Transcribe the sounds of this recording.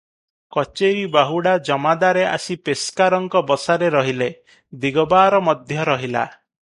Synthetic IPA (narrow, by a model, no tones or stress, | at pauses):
kɔt͡ʃeɾibaɦuɽad͡ʒɔmad̪aɾeʔa̰sipeskaɾɔŋkɔbɔsaɾeɾɔɦile | d̪iɡɔbaːɾɔmɔd̪ʱjɔɾɔɦila̰